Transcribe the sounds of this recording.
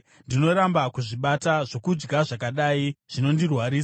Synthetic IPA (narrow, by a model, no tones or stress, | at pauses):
ndino̞ɾambakuʐiɓataʐo̞kud͡ʒɡaʐakaɗaiʐ̥ino̞ndirwaɾiːsa